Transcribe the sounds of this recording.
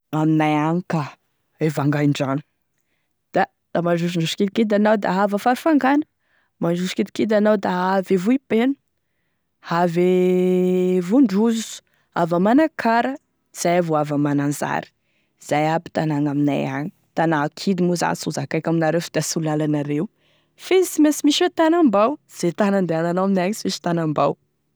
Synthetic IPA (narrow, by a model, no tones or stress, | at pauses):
aminajaɲika | evaŋɡaɳɖ͡ʐani̥ | d̪̥a | d̪̥amaɳɖ͡ʐuʃiɳɖ͡ʐuʃkid̪ikid̪anawd̪aɦavəfaɾufaŋɡanə̥ | maɳɖ͡ʐuʃkid̪ikid̪anawd̪aɦavevuipenu̥ | have | vuɳɖ͡ʐuzu̥ | a̰vəmanakʰaɾə | iz̥ajavoavamananza̰ɾi̥ | z̥ajabi̥t̪anaŋamina̰ja̰ɲi̥ | t̪anakʰid̪imuza̰suzakajkaminaɾefi̥d̪asulalanaɾew | feisimesimiʃet̪anambawz̥et̪anand̪eananawaminajaɲisimiʃi̥t̪anambaw